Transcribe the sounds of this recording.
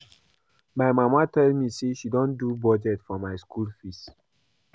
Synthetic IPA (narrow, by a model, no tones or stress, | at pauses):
majmamatɛldmiseʃidɔ̃ndubɔd͡ʒɛtfɔmaɪskulfist